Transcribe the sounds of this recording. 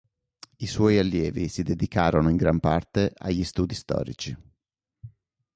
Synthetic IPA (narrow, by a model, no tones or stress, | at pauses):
iswɔjalːjɛːvisid̪ed̪ikaːɾonoiŋɡɾampart̪ea̰ʎːist̪uːd̪ist̪ɔ̰ːɾḭt͡ʃi